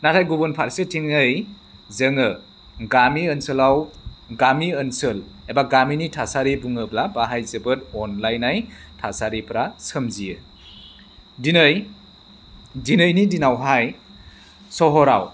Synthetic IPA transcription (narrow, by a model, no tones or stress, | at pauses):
natʰajɡubunpʰaɾsetʰiŋɯj | zəŋɯ | ɡamiənsɯlawɡamiənsɯlebaɡaminitʰasaɾibuŋɯplabaɦajzɯbɯtɔnlajnajtʰasaɾipɾasɯmzijɯ | dinɯj | dinɯjnidinawɦaj | sɔɦɔɾa̰w